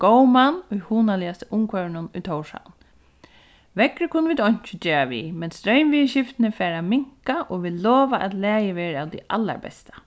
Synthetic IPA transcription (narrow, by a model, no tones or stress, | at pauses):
ɡ̥owmanːʊjhuːnalɪast̪ɪʊmkʰʋœɹɪnʊnʊjt̪ʰowʂa̰n | ʋɛkɾɪkʰʊnːəʋiːd̪ɔjɲ̥t͡ʃɪd͡ʒeːɾaʋḭmɛnst̪ɾœɥmʋiːɕɪft̪ɪnɪfɛːɾamɪŋ̥kaʔɔʋɪlɔːʋaʔat̪læːjɪʋɛːɾaːwd̪ḭʔalːa̰ɹbɛ̰st̪ḁ